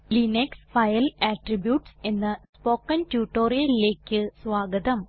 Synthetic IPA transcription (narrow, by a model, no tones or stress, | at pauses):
lineksfɐjɐlaːʈribjuːʈse̞nːɨspoːkːɐntuːʈːo̞ːrijɐlile̞ːkʲːɨsʋaːɡɐd̪ɐm